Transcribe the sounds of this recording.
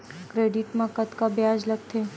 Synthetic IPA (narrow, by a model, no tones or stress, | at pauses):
kɾeɖiʈmãkət̪kabjad͡ʒləɡt̪ʰe